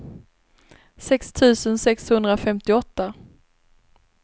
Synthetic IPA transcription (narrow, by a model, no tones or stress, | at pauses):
sɛkst̪ʰʉ̟ːsənsɛkshɵnd̪ɾafɛmt̪ɪɔt̪ːa